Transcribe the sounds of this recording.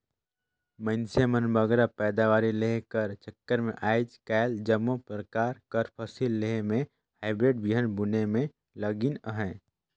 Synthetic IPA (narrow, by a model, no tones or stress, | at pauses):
mə̃ɪnsemənbəɡɾapɛːd̪aʋaːɾilekəɾt͡ʃəkːəɾmḛ̃ʔaːɪd͡ʒkaːɪld͡ʒəmːopɾəkaːɾkəɾpʰəsilːeɦmẽ | haːɪbɾeːɖbiɦənbʊnemẽ | ləɡinəɦɛ̃ː